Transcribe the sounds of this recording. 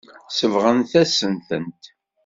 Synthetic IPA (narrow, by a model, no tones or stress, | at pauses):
səvʁənθæsənθənt̪